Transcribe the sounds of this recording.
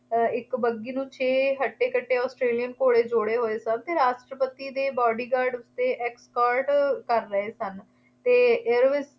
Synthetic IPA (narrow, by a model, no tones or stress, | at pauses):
ɪkbəɡiːnũːt͡ʃʰeːɦəʈːeːkəʈːeːɔːsʈɾeːlijənkoːɽeːd͡ʒoɽeːɦoːeːsənt̪eːɾaːʃʈɾəpət̪iːd̪eːbɔːɖiːɡaːɾɖʊst̪eːʔɛːkskaːɾʈkəɾːəeːsən | t̪eːɪɾʋɪs